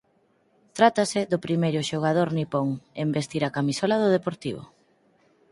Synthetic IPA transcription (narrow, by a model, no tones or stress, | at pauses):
t̪ɾat̪asɪðʊpɾimejɾʊʃoɣ̞að̞oɾnipoŋembest̪iɾakamisolaðʊð̞epoɾt̪iβʊ̰